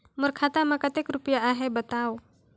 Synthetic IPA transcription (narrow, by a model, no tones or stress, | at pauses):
məɾkʰat̪amakət̪ekɾupjaaɦebət̪aw